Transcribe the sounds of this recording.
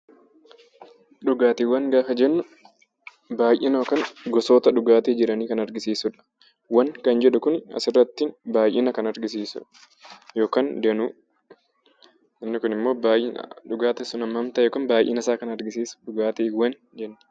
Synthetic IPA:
ᶑʊɡaːt̪eːwɐŋɡaːfɐd͡ʒɛnːʊ | baːjʔɪnoːkɐŋɡɔsoːt̪ɐᶑʊɡaːt̪eːd͡ʒɪɾɐniːkɐnɐɾɡɪsiːsʊᶑɐ̥ | wɐnkɐnd͡ʒɛᶑʊkʊnɐ̰sɪrːɐt̪ːɪnbaːjʔɪnɐkɐnɐɾɡɪs̬iːsʊ̰ | jo̞ːkaːnd̪enu | ɐmːɪkʊnɪmːo̞ːbaːjɪn̰ᶑʊɡaːt̪ɛsʊnɐmːɐmt̪ɐjɛːkɐnbaːjʔḛːnɐsaːkɐnɐɾɡɪsiːsʊ̥ᶑʊɡaːt̪eːwɐn | d͡ʒɛnːʊ̥

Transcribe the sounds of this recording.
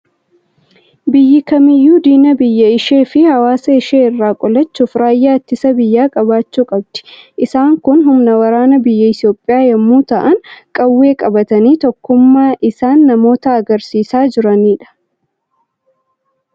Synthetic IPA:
bɪjːɪkɐmɪjːuːd̪iːnɐbɪjːɐɪʃe̞ːfɪhɐwaːsɐɪʃeːɪrːaːkʼɔlɐt͡ʃːʊfɾaːjːaːt̪ːɪsɐbɪjːaːkʼɐbaːt͡ʃːuːkʼɐbt̪ɪ̥ʔɪsaːŋkʊnɦʊmnɐwɐɾaːnɐbɪjːɐɪsjo̞ːpʼːɪjaːjɐmːuːt̪ɐʔɐŋkʼɐwːe̞ːkʼɐbɐt̪ɐniːt̪ɔkːʊmːaːʔɪsaːnːɐmo̞ːt̪ɐːɡɐɾsiːsaːd͡ʒɪɾɐniːᶑɐ̥

